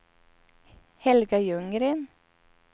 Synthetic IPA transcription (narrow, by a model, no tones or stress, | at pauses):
hɛlɡɑjʉŋɾiːn